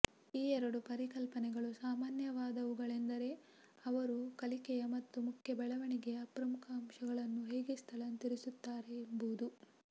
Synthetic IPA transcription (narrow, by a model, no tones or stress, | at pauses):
iːɛɾɐɽupɐɾikɐlpɐnɛɡɐɭusaːmaːnjɐʋaːd̪ɐʋuɡɐɭend̪ɐɾe̞ | ɐʋɐɾukɐlikɛjɐmɐt̪ːumukʰjɐbɛɭɐʋɐɳiɡeɐɐpɾɐmukʰɐːmʃɐɡɐɭɐnːuɦeːɡest̪ʰɐlɐnt̪iɾisut̪ːaːɾeːmbud̪u